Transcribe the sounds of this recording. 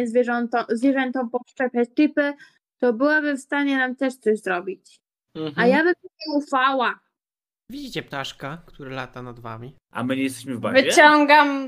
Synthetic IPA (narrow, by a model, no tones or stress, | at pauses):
ɛzvʲjɛʐɔnt̪ɔzvʲjɛʐɛnt̪ɔ̃w̃pɔʂt͡ʂɛpʲjat͡ɕt̪ɘpɘ | t̪ɔbɘwabɘfst̪aɲɛnamt̪ɛʂt̪sɔʑzɾɔbʲit͡ɕ | ajabɛmt̪uɛufawa | vʲid͡ʑit͡ɕɛpt̪aʂkakt̪uɾɛlat̪anad̪va̰mʲi | ʔa̰mɘɲɛjɛst̪ɛɕmɘvbavɨt͡ɕɔŋɡam